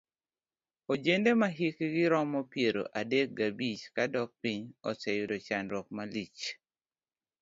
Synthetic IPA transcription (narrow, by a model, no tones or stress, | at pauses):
od͡ʒendemaɦikɡɪɾɔmɔpjeɾo̰ʔadek̚ɡabit͡ʃkadɔk̚piɲɔsɛjʊdɔt͡ʃanɾɔk̚malit͡ʃ